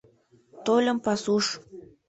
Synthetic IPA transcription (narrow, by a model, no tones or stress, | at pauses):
t̪olʲə̆mpɑsuʃ